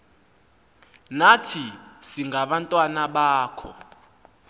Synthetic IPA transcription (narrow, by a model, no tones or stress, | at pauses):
natʰisiŋɡaɓantʼwanaɓaːkʰɔ̰